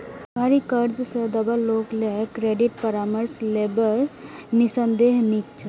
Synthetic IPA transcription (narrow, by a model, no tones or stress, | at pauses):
bʱaɾikəɾd͡ʒsəd̪əbəlːoklekɾeɖiʈ̚pəɾaməɾslebəɾnisənd̪eɦnikt͡ʃʰə